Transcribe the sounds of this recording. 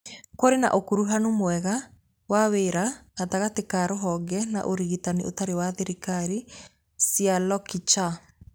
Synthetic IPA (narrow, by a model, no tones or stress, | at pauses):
koɾena̰ʔokuɾuɦanomoɛɣa | waweːɾaataɣatekaɾoɦɔɡɛna̰ʔoɾiɣitanḛʔo̰taɾewaðeɾikaɾi | sialɔkit͡ʃa